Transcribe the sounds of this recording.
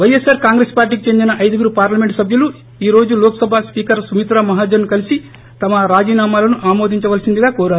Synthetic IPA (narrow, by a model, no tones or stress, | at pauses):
ʋɐjesaːɾkaːŋɡɾespaːɾʈ̬iːkit͡ʃe̞nd̪inɐʔɐjd̪ɐɡuɾupaːɾlɐme̞ɳʈsɐbʱjɐlu | iːɾo̞ːd͡ʒuloːkɐsɐbʱaspiːkɐɾsumit̪ɾamɐɦaːd͡ʒɐɾnukɐlisi | t̪ɐmɐɾaːd͡ʒiːnaːmaːlɐnuʔaːmo̞ːd̪ʱiɲt͡ʃɐʋɐlɐsind̪iɡaːkɔːɾaːɾu